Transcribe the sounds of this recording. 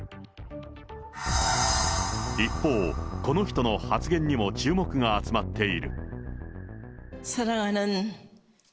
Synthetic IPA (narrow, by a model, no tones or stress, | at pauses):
ipːo̞ːko̞no̞çi̥t̪o̞no̞hat͡sɨɡẽ̞ɲ̟ːimo̞t͡ɕɨːmo̞kɯ̟ŋaːt͡sɨmat̪ːe̞iɾɯ̟̰ | saɾaŋanɯn